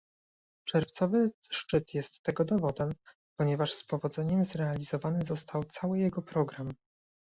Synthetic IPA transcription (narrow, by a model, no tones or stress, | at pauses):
t͡ʂɛɾft̪sɔvɘʂt͡ʂɘt̪jɛst̪ːɛɡɔd̪ɔvɔd̪ɛm | pɔɲɛvaʂspɔvɔd̪zɛɲɛmzɾɛalʲizɔvanɘzɔst̪ʰawt̪sawɘjɛɡɔpɾɔɡɾam